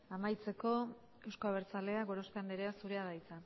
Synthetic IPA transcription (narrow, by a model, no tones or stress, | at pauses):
amajt͡se̞ko̞ | e̞wsko̞aβ̞eɾt͡sale̞aɣo̞ɾo̞st̪eand̪eɾeasuɾeaðajt͡sa